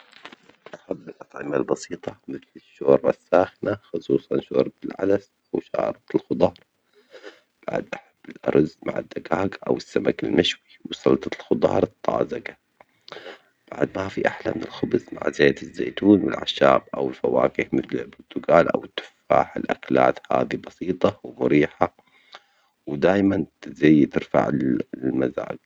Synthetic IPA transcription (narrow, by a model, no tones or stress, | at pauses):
ʔaħabːɪlʔɑt̪ˤʕɪmalbɑsiːt̪ˤɑmɪθlɪʃːoːɾˤɑsːaːxnaxʊsˤuːsˤɑnʃoːɾˤbɪlʕa̰d̪as | ʔawʃa̰ːɾˤɑt̪ɪlxʊd̪ˤɑːɾˤ | b̥a̰ʕd̪ʔaħabːɪlʔɑ̰ɾˤzma̰ʕɪ̰d̪ːaɡaːɡʔa̰wɪsːamakɪlmaʃwiwsˤɑlt̪ˤɑlxʊd̪ˤɑ̰ːɾˤɨt̪ˤːɑ̰ːzaɡa | b̥aʕd̪mafiʔaħlamɪnɪlxʊbzma̰ʕzeːt̪ɪzːeːt̪uːnwɪ̰lʕa̰ʃaːbʔawɪlfawaːkɪhmɪθlɪlbʊɾt̪ʊɡaːlʔa̰wɪt̪ːʊ̥fːaːħɪlʔakla̰ːt̪ha̰ːd̪ibɑsiːt̪ˤɑwmʊɾiːħa | wd̪aːjmanzajːt̪ɪɾfa̰ʕlmaza̰ːɡ̚